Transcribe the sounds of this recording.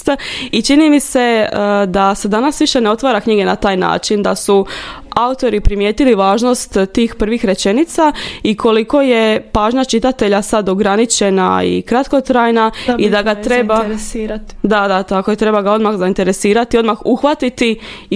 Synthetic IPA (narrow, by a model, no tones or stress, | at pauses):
t̪it͡ʃinimise̞d̪ase̞d̪anasʋiʃe̞neo̞t̪ʋaːɾakɲiɡe̞nat̪aːjna̰ːt͡ʃind̪asuaut̪o̞ɾipɾimje̞ːt̪iliʋaːʒno̞st̪t̪iːxpr̩ʋixɾe̞t͡ʃe̞nit̪saikʰo̞liko̞je̞paːʒɲat͡ʃit̪at̪e̞ʎasad̪o̞ɡɾanit͡ʃe̞na̰ḭkɾat̪ko̞t̪ɾajnaid̪aɡaɾebaɾd̪ad̪at̪akoet̪ɾe̞baɡao̞d̪maxzaint̪e̞ɾe̞siːɾat̪io̞d̪maxuxʋat̪it̪i